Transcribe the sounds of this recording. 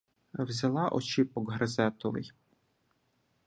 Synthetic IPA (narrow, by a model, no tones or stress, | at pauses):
wzʲɐlˠɑʔɔt͡ʃipɔɡɦɾɐzɛt̪ɔʋɪ̰j